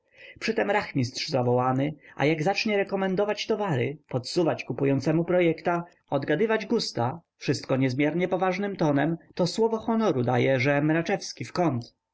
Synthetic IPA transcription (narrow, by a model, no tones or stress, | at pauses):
pʂɘt̪ɛmɾaxmʲist̪ʂzavɔwanɘʔa̰jaɡzat͡ʂɲɛɾɛkɔmɛnd̪ɔvat͡ɕt̪ɔvaɾɘ̰pɔt̪suvat͡ɕkupujɔnt̪sɛmupɾɔjɛkt̪a | ɔd̪ɡad̪ɘvad͡ʑɡust̪afʂɘst̪kɔɲɛzmʲjɛɾɲɛpɔvaʐnɘmt̪ɔnɛmt̪ɔswɔvɔxɔnɔɾud̪ajɛʐɛmɾat͡ʂɛfskʲifkɔnt̪